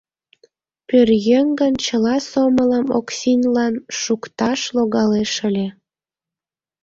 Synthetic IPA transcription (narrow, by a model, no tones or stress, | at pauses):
pørjeŋɡənt͡ɕəlɑsomələmo̰ksinʲlɑnʃukt̪ɑʃloɣɑleʃəlʲe